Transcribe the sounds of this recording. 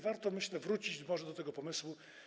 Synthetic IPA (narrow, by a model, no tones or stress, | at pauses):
vaɾt̪ɔmɘɕlɛvɾut͡ɕid͡ʑmɔʐɛd̪ɔt̪ɛɡɔpɔmɘswu